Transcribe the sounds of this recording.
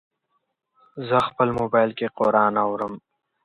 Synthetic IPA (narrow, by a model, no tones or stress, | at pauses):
zəxpəlmobɑːjlkeqoɾɑːnawɾəm